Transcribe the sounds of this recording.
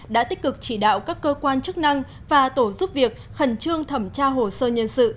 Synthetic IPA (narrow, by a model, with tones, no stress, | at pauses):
ɗa̰ː˧˥t̪i˦˥k̟̚kɨ˨˩k̚t͡ɕi˧˩ɗa̰ː˧˨wkaː˦˥kːəː˧kwaː˧nt͡ɕɨ˦˥k̚na˧ŋ | vaː˨˩t̪o˧˩zu˦˥p̚vi˨˩ək̚xə˨˩nt͡ɕɨ˧əŋt̪ʰə˨˧˩mt͡ɕaː˧ɦo˨˩səː˧ɲə˧nsɨ̰˧˨